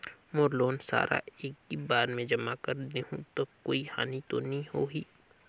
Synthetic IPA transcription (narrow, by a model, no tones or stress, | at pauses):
moːɾloːnsa̰ːɾʔa̰eːk̚ibaːɾmẽd͡ʒɐmakəɾd̪eɦũt̪okːoːiha̰ːnit̪onɐɦĩhoːɦiː